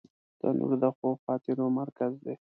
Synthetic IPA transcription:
d̪̥ə̰nʔṵɾd̪əxoxɑt̪ɪɾomaɾkazd̪e

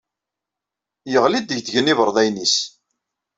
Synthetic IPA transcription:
jəʁlid̪əʝd̪əʝənivəɾˤðˤæjnis

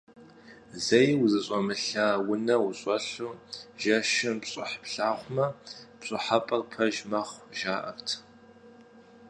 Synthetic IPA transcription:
zejwzɨɕʼɔmɨɬaːwʊnɐwʊɕʼɔɬuːʒɐʃɐmpɕʼɪ̰ħpɬaːχʷmɐpɕʼɪħapʼɐrpʰɐʒmɐχʷʒaːʔɐ̰rtʰ

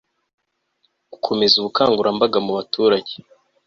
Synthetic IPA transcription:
ɡ̥ukʰo̞me̞zuβukʰaːŋɡuɾambaɡamuβatʰuːɾaɟe

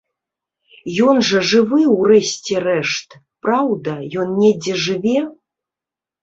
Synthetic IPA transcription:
jɔnʐɐʐɨvɨwrɛsʲt͡sʲɛrɛʂt̪ | pɾawd̪ɐjɔnnʲɛd͡zʲɛʐɨvʲɛ

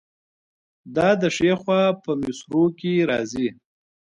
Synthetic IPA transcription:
d̪ɑd̪əʂexwɑpəmɪsɾokeɾɑ̰zi

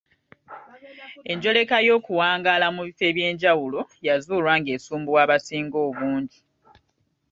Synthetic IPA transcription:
e̞ɲɟo̞le̞kajo̞ːkuwaːŋɡalamuβife̞ːβje̞ːɲɟawulo̞jazuːlwaːŋɡe̞ːsuːmbuwaːβasiːŋɡo̞ːβuːɲɟi

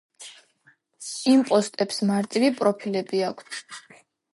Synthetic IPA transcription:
impʼɔst̪ʼɛpsmaɾt̪ʼiɾipʼɾɔpʰilɛbiakʰt̪ʰ

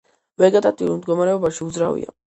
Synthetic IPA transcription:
vɛɡat̪ʼat̪ʼiulˠmd̪ɡɔmaɾɛɔbaʃiud̪zɾavḭa̰

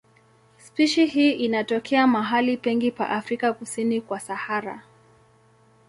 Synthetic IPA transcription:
spiʃihiːʔinatɔkʰɛamaɦalipɛŋɡipa̰ʔafɾikakusinikwasahaɾa̰

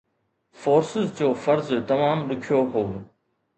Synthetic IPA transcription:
foːɾsɪzd͡ʑoːfɐɾzt̪ɐmaːmɗʊkʰijoɦoː

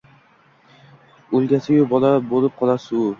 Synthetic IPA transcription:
olˠɡʲasɪɡʲabɒlabolˠɪp̚qʰɒlˠasɪʊ

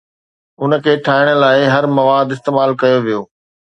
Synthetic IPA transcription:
ʊnə̆kʰeːʈʰaːɪɽ̃ə̆laːɪɦɐɾmɐʋaːd̪ɪst̪eːmaːlkɐjoʋijoː

